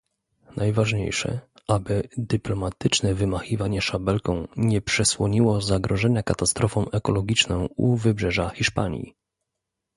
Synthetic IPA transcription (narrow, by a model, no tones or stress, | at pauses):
nʔajvaʐɲḛjʂɛ̰ | ʔabɘd̪ɘplɔmat̪ɘt͡ʂnɛvɘmaxivaɲɛʂabɛlkɔ̃w̃ɲɛpʂɛswɔɲiwɔzaɡɾɔʐɛɲakat̪ast̪ɾʔɔfɔ̃w̃ɛkɔlɔɡʲit͡ʂnɔ̃w̃ṵvɘbʐɛʐaxʲiʂpaɲḭ